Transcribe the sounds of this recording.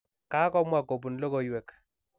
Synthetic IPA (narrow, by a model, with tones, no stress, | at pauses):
ka˦kɔ˦mwa˦˨ko˨bu˨nlo˦ko˨jwɛ˨k